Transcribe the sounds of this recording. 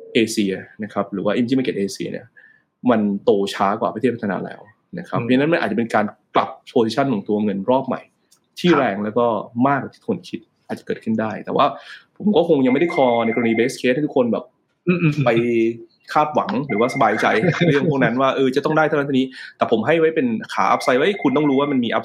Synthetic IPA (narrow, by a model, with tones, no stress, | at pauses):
ʔeː˧si˧ɐna˦˥kʰa˦˥p̚ɾɯː˩˦waː˥˩ʔi˧i˥˩a˧ke˨˩ʔeː˧sḭ˧ɐnḭ˥˩ɐ | ma˧nt̪oː˧t͡ɕʰaː˦˥kwaː˨˩pʰa˧t̪ʰe˥˩t̚pʰa˧tʰaː˧a̰ː˧lɛ̰ː˦˥w | na̰˦˥kʰɾa˦˥˧na˦˥nma˧nʔaː˨˩t͡ɕa˨pe˧nkaː˧nkla˨˩p̚pʰoː˧si˧t͡ɕʰa˥˩nk̪ʰɔ˩˦ŋt̪u˧ɐŋɤ˧nɾɔː˥˩p̚ma̰˨˩j | t̪ʰiː˧˥˩ɾɛː˧ŋlɛː˦˥wkɔː˥˩maː˥˩k̚wa˨˩t̪ʰiː˥˩o˩˦nkʰi˦˥t̪̚ʔaː˨˩t͡ɕḁ˨˩kɤː˨˩kʰɯ˥˩ndaː˥˩jt̪ɛ̰ː˨˩waː˥˩pʰo˩˦mkɔː˥˩kʰo˧ŋja˧ŋma˥˩da˥˩jkʰɔː˧na˧jkɔ˧niː˧beː˦˥skʰe˦˥t̪̚ʰːt̪u˥kʰo˧nbɛ̰ː˨˩p̚ | pa˧j | kʰaː˥˩p̚wa˩˦ŋɾɯː˩˦waː˥˩sa˧baː˧jt͡ɕa˧jɯ˥˩u˥˩na˦˥nwaː˥˩ʔɤː˧t͡ɕa˨˩t̪ɔ˥˩ndaː˥˩j̪ʰa˥˩na˦˥˧nː˦˥t̪ɛː˨˩pʰo˩˦mɦa˥˩jwa˦˥jpe˧nkʰa̰ː˩˦ʔa̰˦˥p̚sa˧jwa˦˥jkʰu˧nt̪ɔ˥˩ɾuː˦˥waː˥˩ma˧nmiː˧ʔa˦˥p̚